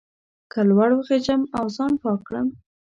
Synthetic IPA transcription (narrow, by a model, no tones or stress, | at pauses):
kalwaɽoɣed͡ʒəmawzɑnpɑkɽə̰m